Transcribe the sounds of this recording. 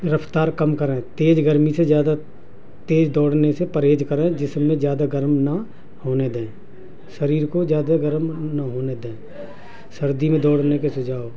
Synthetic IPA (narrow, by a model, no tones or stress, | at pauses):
ɾəpt̪aːɾkɐmkəɾẽːt̪eːd͡ʒɡəɾmisezjaːd̪a | t̪eːd͡ʒd̪ɔːɽ̤nesepɐɾeːd͡ʒkəɾẽːd͡ʒɪsːẽzjaːd̪aɡəɾmnɐ | hoːned̪ẽː | səɾiːɾkozjaːd̪aɡəɾmnɐɦoːned̪ẽː | sɐɾd̪imẽd̪ɔːɽ̤nekesʊd͡ʒʱaːo